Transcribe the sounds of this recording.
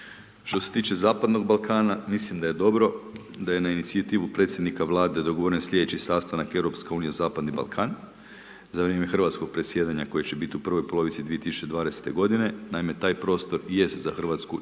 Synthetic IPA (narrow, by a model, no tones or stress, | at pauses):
ʃt̪o̞se̞t̪iːt͡ʃe̞zaːpad̪no̞ɡ̚balˠkaːnamislimd̪aje̞d̪o̞bɾo̞ | d̪aje̞nainit̪siat̪iːʋupɾe̞t̪sʲjed̪nikaʋlˠaːd̪e̞d̪o̞ɡoʋoɾensʎʲeet͡ɕisaːst̪anake̞wɾo̞pske̞uːnijezaːpad̪niba̰lˠkʰaːn | zaʋɾjeːme̞xr̩ʋat̪sko̞ɡ̥̚pɾesje̞ːd̪aɲako̞jet͡ɕe̞bit̪iupr̩ʋo̞jpo̞lˠo̞ʋit̪sid̪ʋiet̪isu̥t͡ʃe̞d̪ʋaːd̪e̞se̥t̪e̞ɡo̞d̪ine̞naime̞t̪aːjpɾo̞ːst̪o̞ɾje̞st̪zaxr̩ʋaːt̪sku